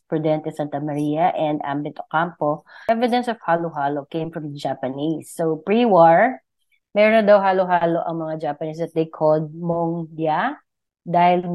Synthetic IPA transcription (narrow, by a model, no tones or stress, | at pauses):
pɹʊd̪ɛnt̪ɛsant̪ɐmɐɾijɐʔɛnd̪ʔa̰mbɛt̪okampoɛvɪd̪ɛnsɔv̥haːloɦalokẽjmfɹɐ̃md͡ʒapɐnisːopɹiwaɹ | mɛɾonɐd̪awɦaːloɦaːloʔɐŋmɐŋad͡ʒaːpɐnis̬ɐt̪̚d̪ejkʰɔld̪̚moŋdja | d̪aːhɪl